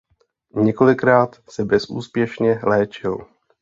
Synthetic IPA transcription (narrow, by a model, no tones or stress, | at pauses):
ɲɛko̞lɪkɾaːt̪sɛbɛsʔuːspjɛʃɲɛlɛːt͡ʃɪl